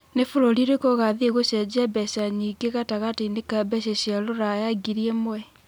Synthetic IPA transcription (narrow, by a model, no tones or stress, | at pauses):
nefoɾoɾiɾekoɣaðieɣoɕjad͡ʑɛbɛɕaɲiɡeɣataɣateinekabɛɕeɕialoɾajaɡiɾiemwɛ